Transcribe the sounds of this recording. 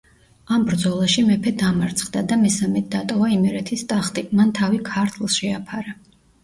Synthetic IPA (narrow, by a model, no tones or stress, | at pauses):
ambɾd̪zɔlˠaʃimɛpʰɛd̪amaɾt̪sʰχd̪ad̪amɛsamɛt̪̚d̪at̪ʼɔvaimɛɾɛt̪ʰist̪ʼaχt̪ʼimant̪ʰavikʰaɾt̪ʰlˠʃɛapʰaɾa